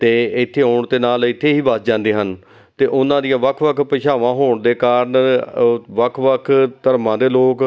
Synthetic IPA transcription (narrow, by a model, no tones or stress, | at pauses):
t̪eːɪt̪ʰːeːɦoːɳt̪eːnaːlɪt̪ʰːeːɦiːbəsd͡ʒãːnd̪eːɦən | t̪eːʔʊnãːd̪ijãːʋəkʰʋəkʰpəʃaːʋãːɦoːɳd̪eːkaːɾən | ʋəkʰʋəkʰt̪əɾmãːd̪eːloːk